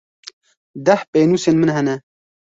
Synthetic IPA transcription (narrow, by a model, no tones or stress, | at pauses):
d̪ɐhpeːnuːseːnmɨnɦɛnɛ